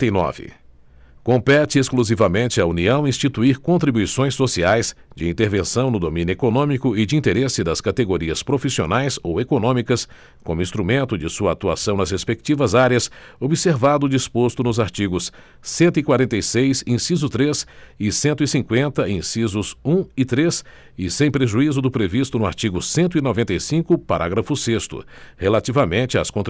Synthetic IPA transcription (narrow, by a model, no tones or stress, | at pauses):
nɔ̰vɪ̰ | kõmpɛt͡ʃɪeskluzivɐmẽnt͡ʃɪɐuniɐ̃w̃ĩst͡ʃit̪uiɾkõnt̪ɾibujsõj̃sːosiajs | d͡ʒɪĩnt̪eɾvẽsɐ̃w̃nʊd̪omĩnjʊekonõmikʊɪd͡ʒɪĩnt̪eɾesɪd̪ɐskat̪eɡoɾiɐspɾofisionajsowekonõmikɐs | kõmʊĩst̪ɾumẽnt̪ʊd͡ʒɪsuɐat̪ua̰sɐ̃w̃nɐshespek̚t͡ʃivɐzaɾjɐsobiseɾvad̪ʊd͡ʒispost̪ʊnʊzaɾt͡ʃiɡʊsː | ẽnt̪ʊikwaɾẽnt̪ejsejsĩsizʊt̪ɾesɪsẽnt̪ʊisĩŋkwẽnt̪ɐĩsizʊsũɪt̪ɾes | ɪsẽj̃pɾeʒuizʊd̪ʊpɾevist̪ʊnʊa̰ɾt͡ʃiɡʊsẽnt̪ʊinovẽnt̪ejsĩkʊpaɾʔaɡɾɐfʊsest̪ʊ̰helat͡ʃivɐmẽnt͡ʃɪa̰skõt̪